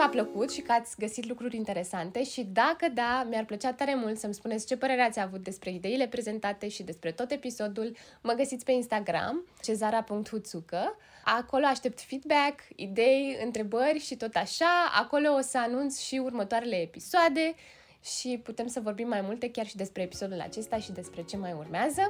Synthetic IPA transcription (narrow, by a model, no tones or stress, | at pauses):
apləkut̪ʃikəat̪sʲɡəsit̪lukɾuɾʲint̪e̞ɾe̞sant̪e̞ʃid̪akəd̪amjarplət͡ʃat̪ːaɾe̞mult̪səmspunet̪sʲt͡ʃe̞pəɾe̞ɾeat̪sʲavut̪̚d̪e̞spɾe̞id̪e̞ile̞pɾe̞ze̞nt̪at̪e̞ʃid̪e̞spɾe̞t̪ot̪e̞piso̞d̪ul | məɡəsit̪ʲpe̞inst̪aɡɾa̰mt͡ʃe̞zaɾapuŋk̚t̪hut̪sukə | ako̞lo̞aʃt̪e̞p̚t̪fid̪bakḭd̪e̞jɨnt̪ɾe̞bərʲʃit̪o̞t̪aʃaa̰ko̞lo̞ːsəanunt̪sʃiurmət̪oaɾe̞le̞ːpisoad̪e̞ | ʃiput̪e̞msəvo̞rbimːajmult̪e̞kʲarʃid̪e̞spɾe̞ːpi̥so̞d̪ula̰t͡ʃe̞st̪aʃid̪e̞spɾe̞t͡ʃe̞majurmeazə